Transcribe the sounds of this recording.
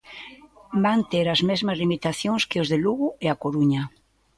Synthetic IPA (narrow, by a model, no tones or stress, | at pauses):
bant̪eɾazmezmazlimit̪aθjoŋskeozðeluɣueakoɾuɲa